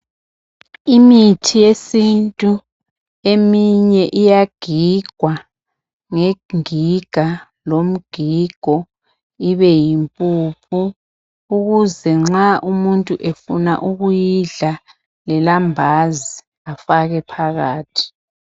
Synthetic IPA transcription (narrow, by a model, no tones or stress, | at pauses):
imitʰijesintʼu | emiɲɛʔijaɡ̥ʱiɡ̥ʱwa | ŋeŋiɡ̥ʱa | lom̩ɡ̥ʱiɡ̥ʱɔ | iβɛjimpʼupʰu | uɣuzɛŋ͡ǁaʔumuntʼuʔefuna̰ʔuɣujiɮa | lɛlambʱazi | afaɣɛpʰaɣaːtʰi̥